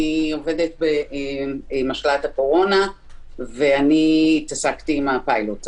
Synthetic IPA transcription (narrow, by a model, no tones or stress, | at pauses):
io̞ve̞det̚be | maʃlatako̞ʁo̞na | veanit̪asaktiːmapajlot